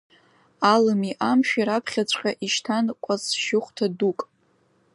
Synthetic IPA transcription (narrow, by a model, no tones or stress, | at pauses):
alɨmiʔamʃᶣiɾapʰχʲat͡ɕʷʼqʲʼaʔiʃtʰankʷʼasʃɪχʷtʰadukʼ